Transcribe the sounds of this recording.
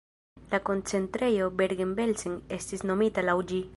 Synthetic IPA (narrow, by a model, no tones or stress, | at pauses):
lako̞nt͡se̞ntɾe̞jo̞beɾɡembelsiŋe̞stisno̞mitalawd͡ʒi